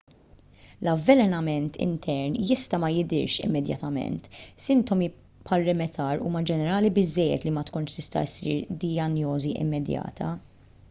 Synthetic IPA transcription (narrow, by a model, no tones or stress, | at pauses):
lɐvːɛlɛnɐmɛnt̪ʰɪ̰nt̪ʰɛɾnjɪst̪ɐmɐjɪd̪ɪ̰ɾʃɪ̰mːɛd̪jɐ̰t̪ɐmɛ̰nt̪sɪnt̪ɔmi | pʰɐɾːɪmɛt̪ʰɐːɾṵːmɐd͡ʒɛnɛɾɐːlibɪzːɛjːɛ̰t̪limɐt̪kʊnʃt̪ɪst̪ɐ̰sḭːɾd̪iɐnjɔːziʔɪ̰mːɛd̪jɐ̰ːt̪ʰɐ